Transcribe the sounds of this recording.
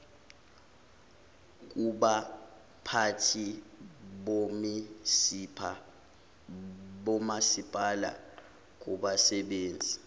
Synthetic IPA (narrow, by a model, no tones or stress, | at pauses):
k̬uɓa | pʰatʰi | ɓomisipʰa | ɓɔmasipʼala̰ | k̬ʼuɓasɛɓeːnd͡zʱi